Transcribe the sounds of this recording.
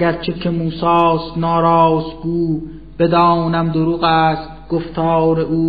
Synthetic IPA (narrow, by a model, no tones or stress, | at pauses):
æɡæɾt͡ʃʰekʰemuːsɑːst̪nɒːɾɑːsɡuː | b̥ed̪ɒːnæmd̪oɾuːɣæːst̪̚ɡ̥oft̪ʰɑːɾeʔuː